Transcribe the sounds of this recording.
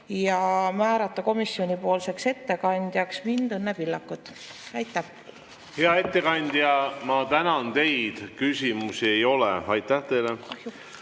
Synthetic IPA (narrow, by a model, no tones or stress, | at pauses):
jɑmæːɾɑt̪ˑːɑko̞misːjo̞nʲipo̞ːlse̞kse̞t̪ːe̞kɑnʲd̪̥jɑksmind̪ɤnːepilːɑkːˑut̪ | ɑjt̪ˑːæh | heɑe̞t̪ːe̞kɑnʲd̪̥jɑmɑt̪ænɑnt̪e̞jd̪̥kysimusie̞jo̞lḛɑjt̪ːˑæht̪e̞jleɑju